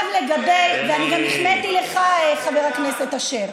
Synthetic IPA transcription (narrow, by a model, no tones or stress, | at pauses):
vleɡabejveaniɡamiχnet̪ile̞χaeχaveʁhakneset̪aʃeʁ